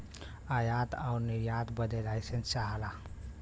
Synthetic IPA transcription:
ajat̪aʊɾniɾjat̪bəd̪elajsənt͡ʃaɦəla

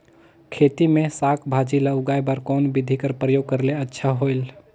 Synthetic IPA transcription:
kʰet̪imesakʰbʱad͡ʒilauɡajbəɾkɔnbid̪ʱikəɾpɾəjoɡ̚kəɾleətːʃʰaɦojl

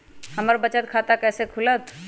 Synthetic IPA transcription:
həməɾbət͡ʃət̪̚kʰat̪akɛːsekʰulət̪

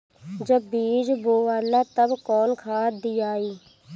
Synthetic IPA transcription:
d͡ʒəbːiːd͡ʒboːʋaːlat̪əbkɔːnkʰaːd̪iːaːiː

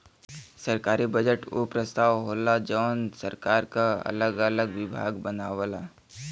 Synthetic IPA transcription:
səɾkaːɾibəd͡ʒəʈo̰pɾəst̪aːʋɦoːlad͡ʒɔːnsəɾkaːɾkaɐ̰ləɡələɡʋɪbʱa̰ːɡbənaːʋəlaː

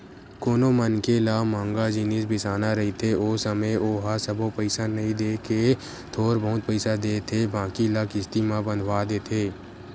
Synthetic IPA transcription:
koːnomənkelaːmãːŋɡad͡ʒɪnisbɪsaːnaɾɐɦit̪ʰeoːsəməʔoːɦasəbopəɪsanɐɦĩd̪eːke | t̪ʰoːɾbəɦʊt̪̚pəɪsad̪eːt̪ʰebãːkilaːkɪst̪imãbə̃nd̪ʱwaːd̪eːt̪ʰeː

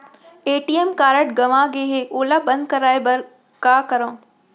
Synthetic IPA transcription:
eːʈiemkaːɾəʈɡɐʋãɡeːɦeʔoːlabɐ̃nd̪̚kɐɾaːebɐɾ | kaːkɐɾõː

